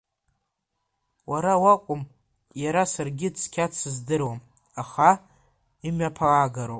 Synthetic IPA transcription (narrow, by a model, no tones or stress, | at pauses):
waɾawakʷʼʊm | jaɾasarɡʲɪt͡sʰkʲʰat͡sʰɨzdɨrwam | aχa | imapʰaaːɡaɾow